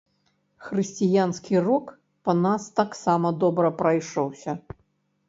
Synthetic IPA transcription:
xrɨsʲt͡sʲijanskʲirɔk | pɐnast̪aksamɐd̪ɔbɾɐpɾɐjʂɔwsʲɐ

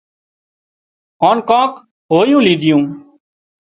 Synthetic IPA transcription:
ɔːnkãːk | ɦoːjũːliːd̪ʱɪjũː

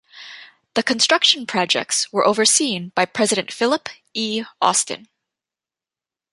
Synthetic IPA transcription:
ðɨkʰɨ̃nstɹ̥ʌkʃɨ̃n̩pʰɹ̥ɑd͡ʒɛ̰k̚tswə˞ʔoʊvə˞sĩnb̥aɪpʰɹ̥ɛzɨɾɨ̃ntfɪlˠəp | iɔ̰stɨ̰̃n

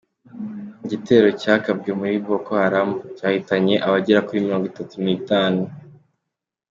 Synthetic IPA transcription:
ɟite̞ːɾo̞caːkabɡe̞muɾibo̞kohaɾamuucaːhitaɲe̞ʔaβaɟeɾakuɾimiɾoːŋɡitatunitaːnu

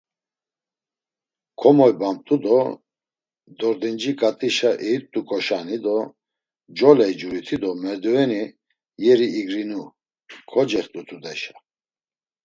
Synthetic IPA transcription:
kʰɔmɔjbam̚t̪ʼud̪ɔ | d̪ɔɾd̪ɛnd͡ʒikʼat̪ʼiʃaʔɛit̪ʼːukʼɔʃanid̪ɔ | d͡ʒɔlɛid͡ʒuɾit̪ʰid̪ɔmɛɾd̪uɛni | jɛɾiːɡɾinu | kʰɔd͡ʒɛχt̪ʼut̪ʰud̪ɛʃa

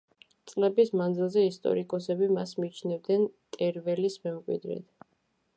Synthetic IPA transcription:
t̪sʼlɛbismand̪zilˠzɛist̪ʼɔ̰ɾikʼɔsɛbimasmit͡ʃʰnɛvd̪nɛnt̪ʼɛɾvɛlismɛmkʼwḭd̪ɾɛ̰t̪ʰ

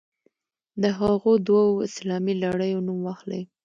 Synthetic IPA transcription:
d̪əɦaɣod̪wawoɪ̰slɑmilaɽəjonumwɑxlə̰j

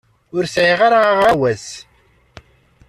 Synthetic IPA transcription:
ʊɾsʕiʁaɾaʁawæz

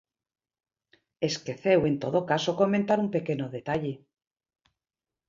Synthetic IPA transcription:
eskeθewe̞nt̪o̞ð̞okaso̞ko̞ment̪aɾumpe̞ke̞noðe̞t̪aʎe

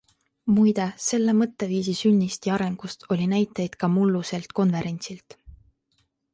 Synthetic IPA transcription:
mujd̪e̞se̞lːemɤt̪ːˑe̞viːsisynʲːist̪jiɑɾe̞ŋɡ̥ust̪ʰo̞lʲinæjt̪ːˑejd̪̥kɑmulːuse̞lt̪ko̞nve̞ɾe̞nʲt̪silt̪

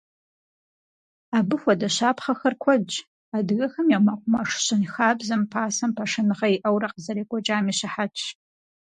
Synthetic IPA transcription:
aːbɨxʷɔdɐɕaːpχɐxɐrkʷʰɔt͡ʃʼ | adɣɐxɐmjamɐqʷʼʊmɐʂɕɪnxaːbzɐmpʰaːsɐmpʰɐʂɨnɨʁɐiʔɐwrɐqəzɐɾeːkʷʼɔt͡ʃʼaːmiːɕɐħat͡ʃʰ

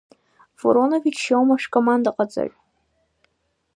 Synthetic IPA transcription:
vo̰ɾonovit͡ʃʃawmaʂkʰʼomand̪aqʼad͡za̰ʕʼ

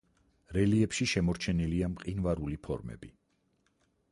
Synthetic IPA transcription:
ɾɛliɛpʃiʃɛmɔɾt͡ʃʰɛniliamqʼinvaɾulipʰɔ̰ɾmɛ̰bi

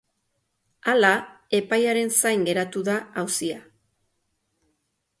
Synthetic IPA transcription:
ala | e̞pajaɾe̞nsajŋɡe̞ɾat̪uðaawsia

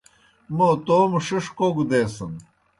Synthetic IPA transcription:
mot̪oːmʂiʂkoːɡud̪eːsɐn

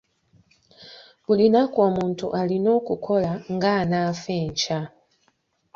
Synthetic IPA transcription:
kulinakwamuntʰṵʔalinɔkukʰɔlaŋɡanafɛnt͡ʃa

